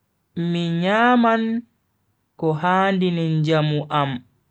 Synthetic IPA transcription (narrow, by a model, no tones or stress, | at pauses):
miɲaːman | kɔɦaːndinɛnd͡ʒamuʔam